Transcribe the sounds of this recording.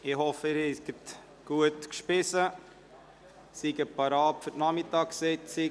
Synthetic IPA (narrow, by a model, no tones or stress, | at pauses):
ɪhɔfəɪɾɛɡət | ɡ̥uətkʃpɪsə | siɡəpɑɾɑːpfɵtnɑmɪtɑːkseɪtsi